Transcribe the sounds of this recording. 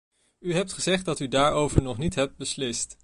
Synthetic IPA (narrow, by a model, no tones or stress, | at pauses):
yɦɛp̚tχəzɛχt̚dɑtydaːɹowvəɹnɔχnitɦɛp̚t̚bəslɪst